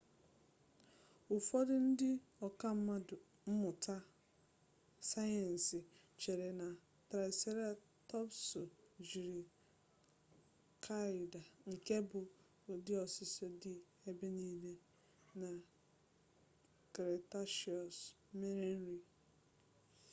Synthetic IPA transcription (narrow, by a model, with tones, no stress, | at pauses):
ʊ˨fɔ˦dɪ˦n̩˦dɪ˦ | ɔ˨ka˦m̩˦ma˦dʊ˨ | m̩˦mʊ˨ta˦ | sa˦jɛ˨n̩˨sɪ˨ | t͡ʃe˨ɾe˨na˨ | tɾa˨se˦ɾa˦ | tɔ˦psʊ˨d͡ʒi˨ɾi˨ | kʰa˦ɪ˨da˨ŋ̩˨ke˦bʊ˨ | dɪ˦ɔ˨sɪ˦sɔ˦dɪ˨ | e˦be˦ni˦le˦ | na˨ | kɾe˨ta˦ʃi˨ɔ˨s | me˦ɾe˦n̩˦ɾi˨